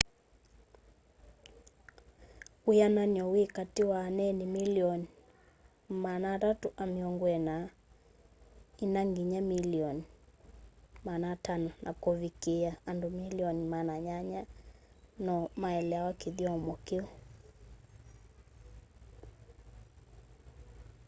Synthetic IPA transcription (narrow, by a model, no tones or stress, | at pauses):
ujanaɲɔwikatiwanɛnimiliɔni | manaɾatuʔamiɔŋɡwɛna | inaŋɡiɲamiliɔni | manatanɔnʔakɔvikiaːndumiliɔnimanaɲaɲa | nɔmaɛlɛwakiðiɔmɔkiɔ